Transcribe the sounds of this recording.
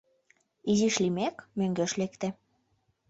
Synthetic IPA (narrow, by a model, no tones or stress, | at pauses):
iziʃlimekmøŋɡĕʃlekt̪ĕ